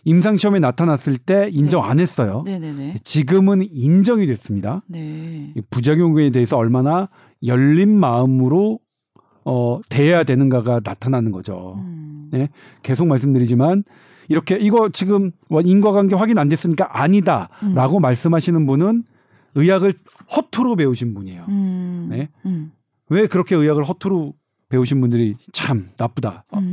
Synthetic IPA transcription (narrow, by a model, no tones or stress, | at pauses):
imsʰaŋɕʰiʌme̞natʰanas͈ɯɭt͈e̞ind͡ʑʌŋa̰ne̞s͈ʌjoet͡ɕiɡɯmɯnind͡ʑʌŋidwe̞s͈ɯmɲida | ipud͡ʑaɡjoŋɡuede̞ɦesʰʌʌɭmana | jʌʎːinmaɯmɯɾo | ʌte̞ejadwe̞nɯnɡaɡanatʰananɯnɡʌd͡ʑo̰ne̞ | ke̞sʰok̚maɭs̬͈ɯmdɯɾid͡ʑiman | iɾʌkʰe̞ʔiɡʌt͡ɕiɡɯmwainɡwaɡanɡeɸwaɡinandwe̞s͈ɯɲik͈aʔaɲidaɾaɡomaɭs͈ɯmɦaɕʰinɯnbunɯn | ɯjaɡɯɭ | hʌtʰuɾope̞uɕʰinbuɲejone̞ | we̞kɯɾʌkʰe̞ɯjaɡɯɭɦʌtʰoɾo | pe̞uɕ̬ʰinbundɯɾit͡ɕʰamnap͈oda